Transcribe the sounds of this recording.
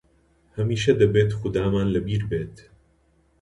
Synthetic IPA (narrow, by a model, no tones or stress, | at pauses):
hɐmiːʃɐd̪ɐbeːt̪xʊd̪aːmaːnlɐbiːɾbeːt̪